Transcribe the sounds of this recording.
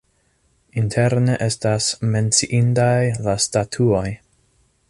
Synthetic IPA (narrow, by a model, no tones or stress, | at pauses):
intʰe̞ɾneʔe̞stasme̞nt͡siʔintajlastatʰuo̞j